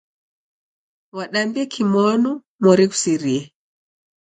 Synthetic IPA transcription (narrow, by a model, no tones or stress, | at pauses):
waɗambiɛkʰimɔnu | mɔɾiku̥siɾiɛ